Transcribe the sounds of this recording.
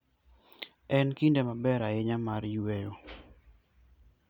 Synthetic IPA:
ɛnkindemabɛɾaɪɲamaɾjwejo

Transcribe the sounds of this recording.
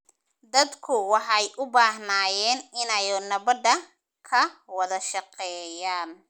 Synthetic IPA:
d̪ɐd̪kʰʊwɑħɑɛjʔʊbaːɦnaːjɛːnɪnɛjnɐβɐd̪ɐ | kʰɐwɐðɐʃɑqɛːjaːn

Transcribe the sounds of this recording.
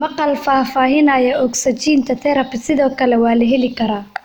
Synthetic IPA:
mɑqɑlfaːfaːɦɪnɐːjɐɔɡsɐt͡ʃiːnt̪ʰɐt̪ʰɛɾɐpɪsɪðɔːkʰɐlɛwɑːlɐɦɛlɪkʰɐɾaː

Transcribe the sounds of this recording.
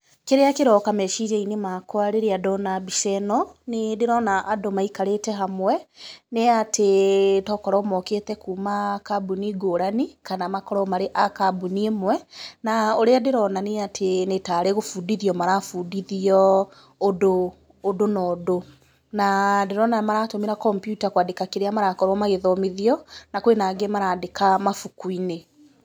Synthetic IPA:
keɾeakeɾɔkamɛʃiɾeinemakwaɾeɾeadɔnabisɛnɔnedeɾɔnaʔadomaikaɾetɛɦamwɛneatʰetɔkɔɾɔmɔkeːtɛkuːmakabuniɡoːɾanikanamakɔɾɔmaɾeʔakabuniemwɛnaoɾeadeɾɔnaneatʰenetaːɾeɣofudiðiɔmaɾafudiðiɔː | doː | donɔːdo | nadeɾɔnamaɾatomeɾakɔmpjutakwadekakeɾeamaɾakɔɾwɔmaɣeðɔmeðiɔnakwenaɡemaɾaːdekamafukuine

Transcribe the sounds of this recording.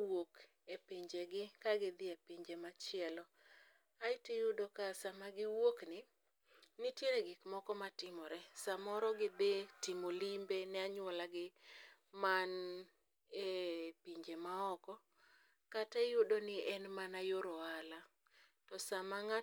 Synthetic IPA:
wok | epiɲd͡ʒeɡɪkaɡɪd̪ɪepiɲd͡ʒemat͡ʃɪɛlɔ | aɪtejʊdokasamaɡɪwoknɪ | nɪtjeɾeɡɪkmɔkɔmatɪmɔɾɛsamɔɾɔɡɪd̪ɪtɪmolimbenɛaɲwɔlaɡɪman | epiɲd͡ʒemaɔkɔ | katajʊdonɪɛnmanajoɾoala | tɔsamaŋa

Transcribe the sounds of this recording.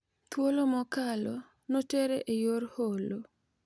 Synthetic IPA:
t̪wolomɔkalɔ | noteɾeʔejorholo

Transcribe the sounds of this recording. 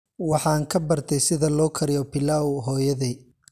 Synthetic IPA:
wɑħɑːŋkʰɐbɐrt̪ʰɛjsɪðɐlɔːkʰɐɾjɔpɪlawɦɔːjɐðɛj

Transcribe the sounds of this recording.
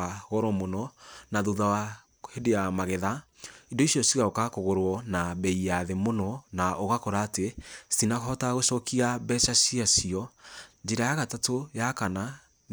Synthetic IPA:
aɣɔɾɔmonɔnaðoðawa | hedejamaɣeðaindoisiɔsiɣaokakoɣoɾwɔnaβɛiaðemonɔnaʔoɣakɔɾaːtesinaɣɔtaɣoʃɔkiabɛʃasiasiɔd͡ʒeɾajaɣatatojakana

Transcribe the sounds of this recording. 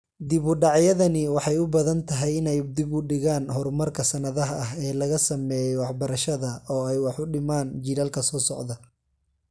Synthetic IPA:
d̪ɪβʊɖɑʕjɐðɐnɪwɑħɑjʊbɐðɐnt̪ʰɐɦɛjɪnɛjd̪ɪbʊɖɪɣaːnɦɔrmɐrkʰɐsɐnɐðɐɦɐɐɦɛːlɐɣɐsɐmɛːjɛwɑħbɐɾɐʃɐðɐʔɔːɛjwɑħʊɖɪmaːnd͡ʒiːɾalkʰɐsɔːsɔ̰ʕd̪ɐ

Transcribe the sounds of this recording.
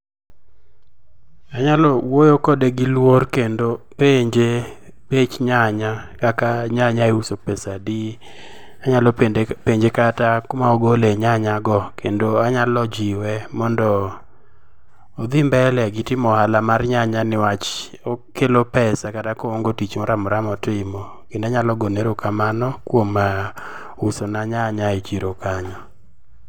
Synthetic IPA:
aɲalɔwojokɔdeɡɪlworkendopeɲd͡ʒe | pet͡ʃɲaɲakakaɲaɲaeusopɛsadi | aɲalɔpepeɲd͡ʒekatakmaoɡoleɲaɲaɡɔkʰendoaɲalɔd͡ʒiwɛmɔndɔ | d̪ɪmbɛlɛɡɪtɪmɔhalamarɲaɲanɪwat͡ʃ | okelopɛsakatakoŋɡotit͡ʃmɔɾamɔɾamɔtɪmɔ | kɪndaɲalɔɡoneɾokamanɔkwomːa | usonaɲaɲaet͡ʃiɾokaɲɔ

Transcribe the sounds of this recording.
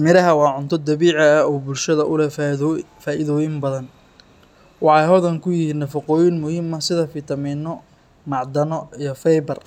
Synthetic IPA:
mɪɾɐɦɐwɑːʕʊnt̪ʰɔd̪ɐβiːʕɐːɔːbʊlʃɐðɐʔʊlɛ | faːʔɪðɔːjɪmbɐðɐn | wɑħɑjɦɔðɐŋkʰʊjɪɦiːnːɐfɐqɔːjɪnmʊhiːmɐsɪðɐfɪt̪ʰɐmiːnɔ | mɑʕd̪ɐnɔijɞfɛjbɐr

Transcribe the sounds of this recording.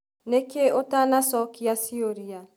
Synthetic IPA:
nekeotanasɔkiasioɾia

